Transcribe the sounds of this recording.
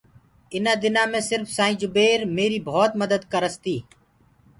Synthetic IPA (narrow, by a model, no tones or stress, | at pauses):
ɪnaːd̪ɪnãːmẽːsɪɾfʰsaːĩːd͡ʒʊbeːɾmeːɾiːbʱoːt̪məd̪əd̪kəɾəst̪iː